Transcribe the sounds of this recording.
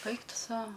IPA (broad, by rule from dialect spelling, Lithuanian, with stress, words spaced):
ˈɐɪk ˈtʊ ˈsɐʊ